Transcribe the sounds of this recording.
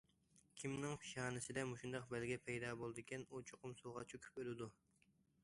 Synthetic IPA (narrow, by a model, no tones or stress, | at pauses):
kʲʰimnɪŋpʰi̥ʃɑːnɪsɪd̪ɛmuʃund̪ɑq̚bɛlɡʲɛpʰɛjd̪ɑːbolˠd̪ɪkʲɛnut͡ʃʰoqʊmsolˠʁɑt͡ʃʰukʲʰy̥pølɪd̪u